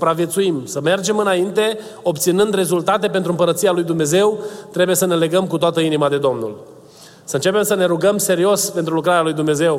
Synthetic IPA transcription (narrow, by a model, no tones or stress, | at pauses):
u̥pɾavjet̪suimsəme̞rd͡ʒe̞mɨnaint̪e̞ | o̞p̚t̪sinɨnd̪re̞zult̪at̪e̞p̬ent̪ɾuɨmpəɾət̪sijalujd̪umne̞ze̞wt̪ɾe̞buje̞səne̞le̞ɡəmkut̪oat̪əinimad̪e̞d̪o̞mnṵl | səɨnt͡ʃe̞pe̞msəne̞ɾuɡəmse̞ɾio̞spe̞nt̪ɾulukɾaɾealujd̪umne̞ze̞w